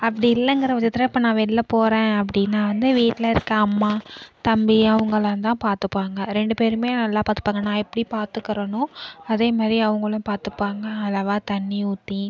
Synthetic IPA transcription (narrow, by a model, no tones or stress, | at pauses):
ɐpːɐɽiɪlːɐ̃ŋɡɪɾɐʋɐt͡ʃːɐt̪ːɪɾɐɪpːɐːnãːʋiːʈlːɐpoːɾẽːɐp̬ːɐɽɪnːaːʋɐnd̪ɯʋiːʈːlɐɪɾɯkːɐɐmːaːt̪ɐmbiɐʋɐŋɡɐɭãːnt̪ãːpaːɾt̪ɯpːaːŋɡɐɾɛɳɖɯpeːɾɯmeːnɐlːãːpaːɾt̪ːɯ̥pːaːŋɡɐnãːɪpːɐɽipaːɾt̪ɯkːɐɾɐnʊ̃ɐðeːmaːd̪ɾiɐʋɐŋɡɐɭɐ̃paːɾt̪ɯpːaːŋɡɐɐlɐʋaːt̪ɐnːiuːt̪ːi